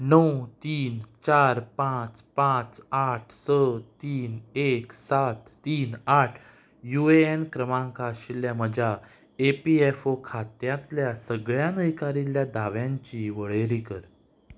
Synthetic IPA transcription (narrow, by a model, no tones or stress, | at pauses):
nəwt̪iːnt͡ɕaɾpãt͡spãt͡saʈʰsətt̪iːneksat̪ːiːnaʈʰ | jueenkɾəmãŋkaɕiljaməd͡ʑʱa | epiefokʰat̪jãt̪ljasəɡɭjanəjkaɾiljad̪aʋjãɲt͡ɕiʋəɭeɾikəɾ